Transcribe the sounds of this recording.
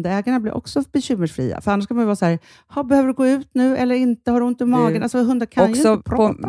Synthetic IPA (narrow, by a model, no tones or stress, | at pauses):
d̪ɛːɡaɳablɪ̰ɾʔɔ̰ksɔb̥ɛɕʏmːəʂfɾḭːa̰fœɾanːaʂkʰanmanjɪvɑːshæːɾ | hɑbɛhøːvəɖɛɡoːʉ̟ːt̪nʉ̟ːʔɛlːəɾɪnt̪əhaɖɵɪnt̪əmɑːɡənalsɔɦɵnd̪akʰaɔnjksɪɔpʰɾɔ